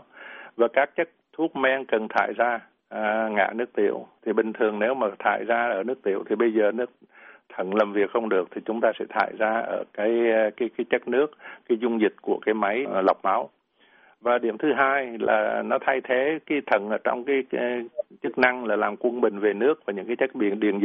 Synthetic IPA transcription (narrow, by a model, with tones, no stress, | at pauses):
vaː˨˩kaː˦˥k̚t͡ɕə˦˥k̚t̪ʰu˦˥ət̚mɛ˧nkə˨˩nt̪ʰa̰ː˧˨jzaː˧˨ | ŋa̰ː˧˨nɨ˦˥ək̚t̪ḭ˧˩˨əwt̪ʰi˨˩ɓï˨˩ŋ̟t̪ʰɨ˨˩əŋne˨˦wmaː˨˩t̪ʰa̰ː˧˨jzaː˧ʔəː˧˩nɨ˦˥ək̚t̪ḭ˧˩əwt̪ʰi˨˩ɓə˧jzəː˨˩nɨ˦˥ək̚ | t̪ʰə˧˩nlaː˨˩mvi˨˩ək̚xə˧wŋ͡mɗɨ˨˩ək̚t̪ʰi˨˩t͡ɕʊ˨˦ŋ͡mt̪aː˧sɛ̰˧˥t̪ʰa̰ː˧˨jzaː˧ʔə̰ː˧˩kaː˨˦jkaː˨˦jkaː˨˦jt͡ɕə˦˥k̚nɨ˦˥ək̚ːaː˨˦jzʊ˧ŋ͡mzï˨˩t̟̚ku˧˩əkaː˨˦jma˨˦jla˨˩wk͡p̚ma˨˦w | vaː˨˩ɗi˧˩əmt̪ʰɨ˨˦ɦaː˧jla̰ː˨˩nɔ˨˦t̪ʰa˧jt̪ʰe˨˦kaː˨˦jt̪ʰə˧˩nʔəː˧˩t͡ɕɔ̰˧wŋ͡mkaː˨˦jt͡ɕɨ˦˥k̚na˧ŋlaː˨˩laː˨˩mkwə˧nɓï˨˩ŋ̟ve˨˩nɨ˦˥ək̚vaː˨˩ɲɨ̰˧˥ŋkaː˨˦jt͡ɕə˦˥t̚ɓḭ˧˨ənɗḭ˧˨˩ənz